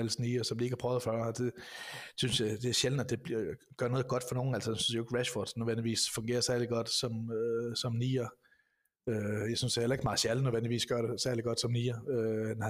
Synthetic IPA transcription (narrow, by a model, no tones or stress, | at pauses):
ælsniːɐsɒ̽mdieɡ̥hɑpʰɒʊðˠfɶɐd̥e̝synsjad̥e̝æɐɕeln̩æd̥e̝b̥ɡ̥ɶɐnɔ̽ð̩ˠɡ̥ɒ̽d̥fɒno̝ːn̩æl̰səd̥ensynsjaoeɡ̥ʁæɕfɒd̥snøðˠʋen̰dliʋḭːsfɔ̽ŋɡ̥e̝̰ːɐsæɐliɡ̥ɒ̽d̥sɒ̽møsɒ̽mniːɐ | øjɑɪsynsd̥ehelɐe̝ɡ̥əmɑ̈ɕælənøðˠʋen̰liʋḭːsɡ̥ɶɐɾesæɐliɡ̥ɒ̽d̥sɒ̽mniːɐøn